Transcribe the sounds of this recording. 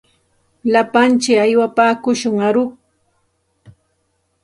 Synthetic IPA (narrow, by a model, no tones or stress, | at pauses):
lapant͡ʃɪajwapaːkʊʃʊŋaɾʊχ